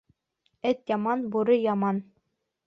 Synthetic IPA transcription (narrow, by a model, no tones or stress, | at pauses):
ɘt̪jɑmɑnbuɾɤjɑmɑn